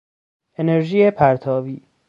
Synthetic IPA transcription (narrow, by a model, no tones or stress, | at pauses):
ʔe̞neɾʒiːjepʰæɾt̪ʰɒːviː